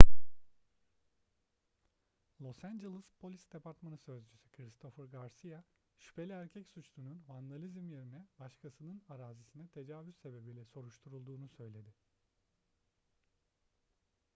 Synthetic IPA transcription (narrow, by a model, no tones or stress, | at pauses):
lˠo̞sænd͡ʒelʲˠispʰo̞lʲisd̪epʰaɾt̪manɯsø̞zd͡ʒysy̥kʰɾist̪ʰo̞fɯɾɡaɾsija | ʃy̥pʰe̞lʲiæɾcʰɛcsut͡ʃlˠununvand̪alʲizimje̞ɾinɛbaʃkʰasɯnɯnaɾaːzisinɛt̪ʰe̞d͡ʒaːvyzːe̞be̞bilʲɛso̞ɾuʃt̪ʰuɾulˠd̪uːnusø̞jlʲe̞d̪ɪ